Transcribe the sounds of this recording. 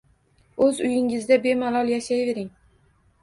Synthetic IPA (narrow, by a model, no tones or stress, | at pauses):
ɵzʊjɪŋɪzd̪abe̞malɒlˠjaʃajve̞ɾɪŋ